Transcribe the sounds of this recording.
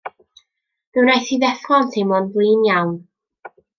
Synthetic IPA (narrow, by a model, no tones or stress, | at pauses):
mɪwnajθiðɛθχɔntʰejmɔːnblˠɨːnjawn